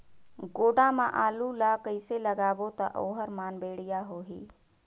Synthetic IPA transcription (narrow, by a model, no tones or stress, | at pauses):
ɡoːɖãmã̰ʔaːlulakəɪseləɡaːʋot̪ɐʔoːɦəɾmaːnbeːɽijaɦoːɦḭː